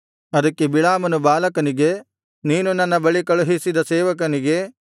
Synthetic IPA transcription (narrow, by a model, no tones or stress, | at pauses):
ɐd̪ɐkːebiɭaːmɐnubaːlɐkɐniɡe̞ | niːnunɐnːɐbɐɭikɐɭuɦisid̪ɐseːʋɐk̬ɐniɡe̞